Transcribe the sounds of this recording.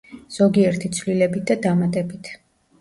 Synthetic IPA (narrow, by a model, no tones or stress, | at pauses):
z̥ɔɡiɛɾt̪ʰit̪sʰvlilɛbit̪̚d̪ad̪amat̪ʼɛbit̪ʰ